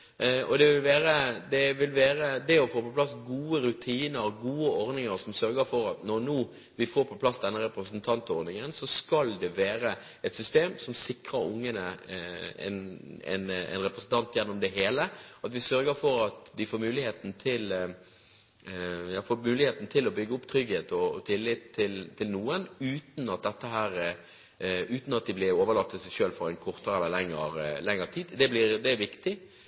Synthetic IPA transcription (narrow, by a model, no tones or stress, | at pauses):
ɔd̪ɛʋɪlʋæːɾəd̪ɛʋɪlʋæːɾəd̪ɛɔfoːpɔpʰlɑsɡuːəɾʉt̪ʰiːnəɾɡuːəɔɾnɪŋəɾsɔmsœɾɡəɾfɔɾɑt̪nɔɾnuː | ʋɪfoːɾpʰɔpʰlɑsd̪ɛnːəɾɛpɾəsənt̪ʰɑnt̪ɔɾnɪŋənsɔskɑld̪ɛʋeːɾə | ɛt̪sʏst̪eːmsɔmsɪkɾəɾʊ̰ŋːənə | ɛ̰nɛ̰nɛ̰nɾɛpɾəsn̩t̪ʰɑnt̪jɛnːɔmd̪ɛɦeːləɑt̪ʋɪsœɾɡəɾfɔɾɑt̪d̪ɪfoːɾmʉːlɪheːt̪n̩t̪ʰɪl | jɑːfoːɾmʉːlɪheːt̪n̩t̪ʰɪlɔbʏɡːəʊpt̪ʰɾʏɡheːt̪ɔɔt̪ʰɪlːɪt̪ʰːɪlt̪ʰːɪlnuːənʉːt̪n̩ɑt̪̚d̪ɛt̪ːəɦæːɾ | ʉːt̪n̩ɑt̪̚d̪ɪblɪɾoːʋəlɑt̪ːət̪sɛɪʃøːlfɔɾæɪnkʰɔɾt̪əɾɛlːəlɛŋːəɾlɛŋːəɾt̪ʰiːd̪d̪ɛblɪɾd̪ɛæʋɪkt̪ɪ